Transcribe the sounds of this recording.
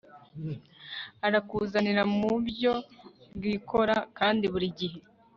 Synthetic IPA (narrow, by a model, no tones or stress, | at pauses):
aɾakuːzaniɾamubjo̞bɡikʰo̞ɾakaːndiβuɾiɟiɦe̞